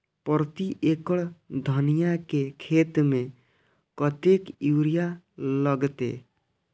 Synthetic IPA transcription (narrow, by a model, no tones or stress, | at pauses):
pɾt̪iʔekəɭd̪ʱənijakekʰeːt̪mẽ | kɔt̪ekuɾija | ləɡt̪ḛ